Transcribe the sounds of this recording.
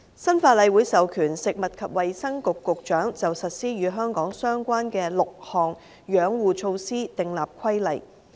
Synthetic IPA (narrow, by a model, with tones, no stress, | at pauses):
sɐ˥nfaː˧t̚lɐ˨˧jwuː˨˥jsɐ˨wkʰyː˨˩nsɪ˨k̚mɐ˨t̚kʰɐ˨p̚wɐ˨jsɐ˥ŋkʊ˨kːʊ˨k̚t͡ʃœː˨˥ŋt͡sɐ˨wsɐ˨t̚siː˥jyː˨˧ɦœː˥ŋkɔː˨˥ŋsœː˥ŋkʷaː˥nkɛː˧lʊ˨k̚hɔː˨˩ŋ | jœː˨˧˥ŋwuː˨t͡ʃʰo˧wsiː˥t̪ɪ˨ŋlaː˨p̚kʰɐ˥jlɐ˨˩j